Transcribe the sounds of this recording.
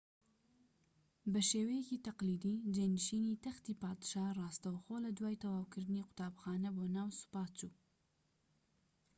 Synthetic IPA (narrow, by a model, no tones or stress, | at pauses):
bəʃeweket̪aqlid̪id͡ʒanʃinit̪axt̪ipɑd̪ʃɑɾɑst̪awxolad̪wɑjt̪awɑwkɪɾniqʊ̥t̪ɑːbxɑnabonawsʊ̥pɑt͡ʃu